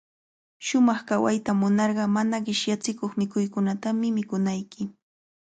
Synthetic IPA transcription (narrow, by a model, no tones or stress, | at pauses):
ʃʊmɑχkawa̰jt̪amʊnɑɾɢɑmanaɢɪʃjat͡sɪkoχmɪkʊjkʊnat̪amɪmɪkʊnajkɪ